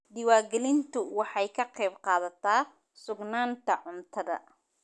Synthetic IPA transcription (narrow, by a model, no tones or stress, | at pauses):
dɪwaːɡɛlɪnt̪ʰʊwɑħɑjkʰɐqɛːbqɑːðɐt̪ʰaː | sʊɡnaːnt̪ʰɐʕʊnt̪ʰɐðɐ̰